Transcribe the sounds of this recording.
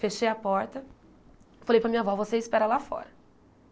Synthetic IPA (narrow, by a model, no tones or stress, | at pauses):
feʃejɐpɔɾt̪ɐ | falejpɾɐmĩɲɐvɔvoseɪspɛɾɐlafɔ̰ɾɐ